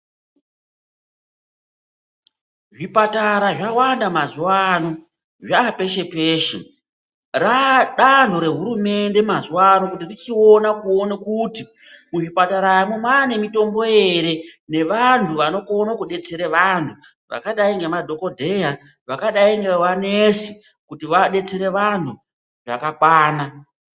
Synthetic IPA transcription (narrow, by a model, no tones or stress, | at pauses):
ʐipataɾaʐawandamazuwano̞ | ʐape̞ʃe̞peːʃḛ | raɗandʱo̞ɾe̞ɦuɾume̞nde̞mazuwano̞kutirit͡ʃio̞nakuonakuti | muʐipataɾajimumane̞mito̞mbo̞je̞ɾe̞ne̞ʋantʰuʋano̞konokuɗe̞t͡seɾeʋantʰu | ʋa̰kaɗaiŋɡe̞madʱo̞ko̞dʱe̞ja | ʋakaɗaiŋɡeʋanesi | kutiʋaɗe̞t͡seɾe̞ʋantʰu | ʐa̰kakwaːna